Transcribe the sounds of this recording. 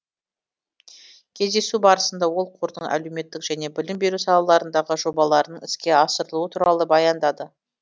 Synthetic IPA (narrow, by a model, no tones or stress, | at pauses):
kʲʰe̞zd̪e̞subɑɾəsənd̪ɑwo̞lˠqʰuɾd̪əɴʔæ̰le̞wme̞t̪ːɪkʒ̥æne̞bɪlɪmbe̞ɾusɑlˠɑlˠɑɾənd̪ɑʁəʒo̞bɑlˠɑɾənəɴɪskʲe̞ɑsəɾəlˠuwət̪ʰuɾɑlˠəbɑjɑnd̪ɑd̪ə